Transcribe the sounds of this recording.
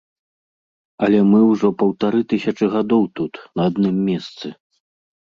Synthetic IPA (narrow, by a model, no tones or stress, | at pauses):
ɐlʲɛmɨwʐɔpɐwt̪aɾɨt̪ɨsʲɐt͡ʂɨɣad̪ɔwt̪ut̪nɐːd̪nɨmːʲɛst̪sɨ